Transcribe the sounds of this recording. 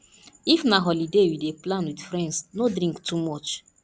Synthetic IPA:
ifnaɦɔlidewideplãnwidfɾɛ̃ndsnodɾĩŋktumɔt͡ʃ

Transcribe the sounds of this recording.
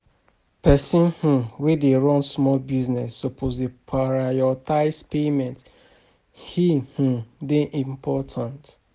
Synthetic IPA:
pɛsĩnhũwedeɹɔ̃nsmɔlbiznɛsːopʰozdepʰaɾajɔtaɪspemɛ̃nt | hih̩deʔĩmpʰɔtʰãnt

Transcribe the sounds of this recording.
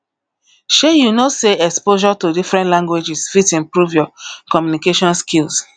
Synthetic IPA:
ʃejunoseɛkspoʃɔtodifɹɛ̃ntlãŋɡwed͡ʒisfitĩmpɹuvjɔkɔmjunikeʃɔ̃nskils

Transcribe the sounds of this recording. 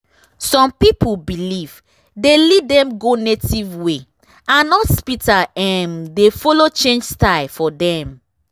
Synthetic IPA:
sɔ̃mpipubiliv | delɛt̚dɛ̃mɡonetivwe | ãnɔspitaɛmdefɔlot͡ʃẽnd͡ʒstaɪlfɔdɛ̃m

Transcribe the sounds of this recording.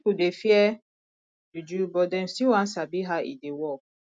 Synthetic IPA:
kudefiɛ | d͡ʒud͡ʒubɔdɛ̃msiwãn̩sabiɦaḭdewɔ

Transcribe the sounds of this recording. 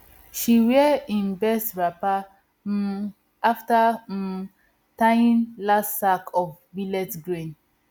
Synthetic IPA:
ʃiwɛĩnbɛstɹapa | afta | tajĩnlasakʰɔfbilɛtɡɹẽn

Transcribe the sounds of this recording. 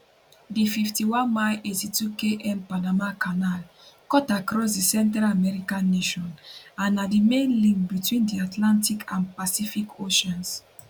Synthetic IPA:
dififtiwãnmaɪʔetitukeʔɛ̃mpanamakʰanal | kɔtakɹɔs̬disɛ̃ntɹalamɛɹikãnːeʃɔ̃nãnːadimẽnlĩŋk̚bitwĩndiatʰlãntikʰãnpasifikʰoʃɔ̃ns

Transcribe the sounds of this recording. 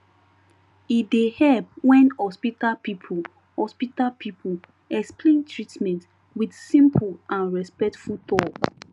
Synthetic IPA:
idehɛlp̚wɛ̃nhɔspitapipʰu | hɔspitalpʰipʰu | ɛksplẽntɹitmɛ̃nt | widsĩmpʰulʔãnɹɛspɛk̚tfult̪ɔt

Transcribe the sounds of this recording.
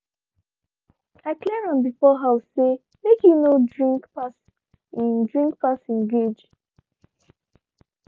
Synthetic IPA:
aklɛɹãmbifɔɦawse | mekjunodɹĩŋkpas | ĩndɹĩŋk̚pasĩnɡed͡ʒ

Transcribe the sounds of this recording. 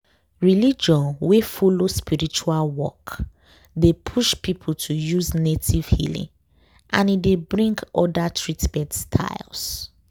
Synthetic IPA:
ɹilid͡ʒɔ̃nwefolospiɹit͡ʃualwɔ̰k | depʰuʃpipʰul̩tʰujuznetʰiv̥hḭlḭ̃ŋ | ʔãnidebɹĩŋɡɔdatʰɹitbɛdstʰa̰ɪls

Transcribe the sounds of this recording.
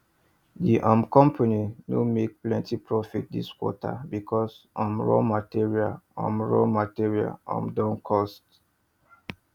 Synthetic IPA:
diʔãmkɔ̃mpʰaninomek̚plɛ̃ntipɹɔfit̚dḭskwɔ̰ta̰bikʰɔsãmɹɔ̰matiɹia̰lɔ̰̃mɹɔ̰matiɹia̰lã̰mdɔ̃nkʰɔst

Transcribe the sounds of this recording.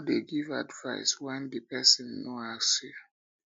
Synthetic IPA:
deɡiva̰dva̰ɪswɛ̃ndəpɛsɔ̃nːoasiv

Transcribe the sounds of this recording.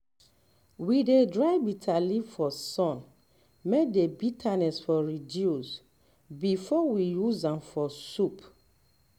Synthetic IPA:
widedɹaɪbitʰalivfɔsɔ̃n | medebitʰanɛsfɔɹidjus | bifɔwijuzãmfɔsup

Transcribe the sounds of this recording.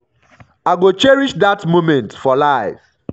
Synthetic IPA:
aɪɡot͡ʃɛɹiʃdatmomɛ̃ntfɔlaɪf

